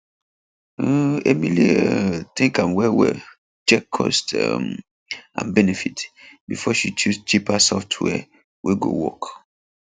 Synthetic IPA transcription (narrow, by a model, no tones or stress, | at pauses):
emilit̪ĩŋkãnwɛwɛ̰ | t͡ʃɛkʰːɔ̰stm | ã̰nbɛnɛfitbifɔʃit͡ʃust͡ʃipasɔftʰwɛ̰ | wʔiɡo̰wɔk